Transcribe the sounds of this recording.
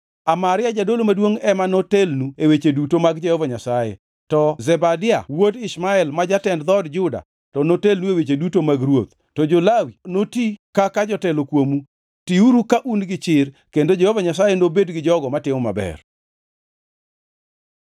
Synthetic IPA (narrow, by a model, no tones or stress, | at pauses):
amaɾɪad͡ʒadolomadwoŋɛmanotelnuewet͡ʃedutomaɡd͡ʒɛhovaɲasajḛ | tɔzɛbadɪa̰wodɪsmaɛlmad͡ʒatɛndd̪ɔdd͡ʒʊda̰ | tɔnotelnuewet͡ʃedutomaɡɾwot̪ | tɔd͡ʒolawinotikakad͡ʒɔtɛlokwomu | tiuɾukaʔunɡɪt͡ʃɪr | kendod͡ʒɛhovaɲasajenobedɡɪd͡ʒɔɡɔmatɪmɔma̰bɛ̰r